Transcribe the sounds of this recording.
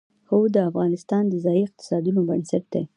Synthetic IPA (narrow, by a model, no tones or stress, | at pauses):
xod̪əafɣɑnɪst̪ɑnd̪əzɑjiɪq̚t̪ɪ̥sɑd̪unobənsaʈ̚d̪e